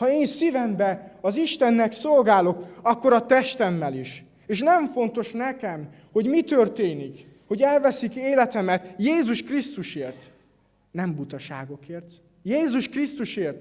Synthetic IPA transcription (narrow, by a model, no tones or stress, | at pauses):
hɒeːnsivɛmbɛɒziʃt̪ɛnːɛkso̞lɡaːlo̞kɒkːo̞ɾɒt̪ɛʃt̪ɛmːɛliʃ | eːʃnɛɱfo̞nt̪o̞ʃnɛkɛm | ho̞ɟmit̪ørt̪eːnik | ho̞ɟɛlvɛsikeːlɛt̪ɛmɛt̪jeːzuʃkrist̪uʃeːrt̪ | nɛmbut̪ɒʃa̰ːɡo̞keːrt̪ | jeːzuʃkrist̪uʃeːrt̪